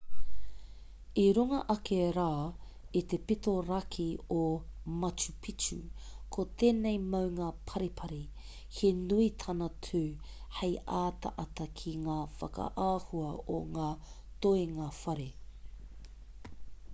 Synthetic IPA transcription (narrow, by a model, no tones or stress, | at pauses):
iɾuŋɐʔɐkeɾaː | it̪epitoɾɐkʰiomɐt͡ʃupʰit͡ʃṵkʰot̪ʰeːnejmɐwŋaːpʰɐɾipʰɐɾi | hʰenuit̪ʰɐnɐtʰuːhejʔaːt̪ɐ̰ʔɐtɐkʰiŋaːfɐ̰kɐ̰ʔaːhuɐoŋaː | toeŋafɐɾe